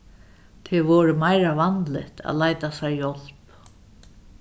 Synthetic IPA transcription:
t̪ʰɪʋɔːɹəmajɾavant̪lɪht̪ʰa̰ðlajt̪asaɹjɔl̥p

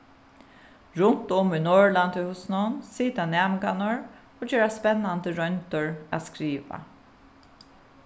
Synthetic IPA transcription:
ɹʊnt̪ʊmynɔːɹlant̪ʏhʊsnʊnsiːt̪anæːmɡanʊɹ | oːd͡ʒøːɹaspɛnːand̪əɹœnt̪ʊɹa̰ːskɹiːʋa̰

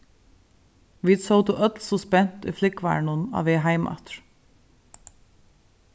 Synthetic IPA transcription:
ʋiːt̪soʊt̪ʊʔœt̪lsɔspɛnt̪ḭːflɪkʋæ̰ːɳʊnɑ̰ːʋeːɦɑɪmʔɑ̰t̪ɹ

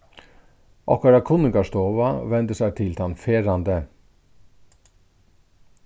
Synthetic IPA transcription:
ʔɔhkaɾakʰʊnɪŋkaʂt̪oːʋaʋɛnt̪əsæt̪ʰɪlt̪ʰanfeːɾand̪ə

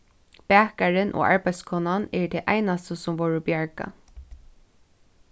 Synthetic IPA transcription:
pæːkaɹɪnʔɔ̰ːa̰ɹbaɪj̪skʰɔːnanɛɹt̪ʰɛʔa̰jnast̪əsʊmʋɔːɹəbjaɹka̰

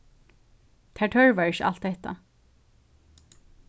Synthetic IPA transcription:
t̪ʰæːɹt̪ʰœɹvɛɹɪʃʔa̰l̥t̪ːɛht̪a̰

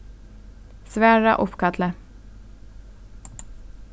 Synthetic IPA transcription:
svæɾa̰ʔɔfkʰat̪lə

